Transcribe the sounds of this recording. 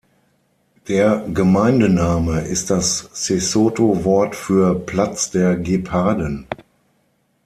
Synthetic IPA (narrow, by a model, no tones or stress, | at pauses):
d̥eːɐɡəmaɪndənaːməʔɪst̚d̥asːesoːtovɔɐtfyːɐpl̥at͡sd̥eːɐɡepʰaːdən